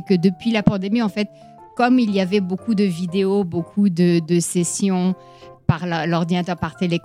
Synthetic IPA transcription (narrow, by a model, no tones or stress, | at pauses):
kəd̪əpɥilapɑ̃d̪emiɑ̃fɛt̪ | kɔmiliavɛbokud̪əvid̪eobokʰud̪əd̪əsesjɔ̃ | paʁllɔʁd̪inat̪œʁpaʁt̪elek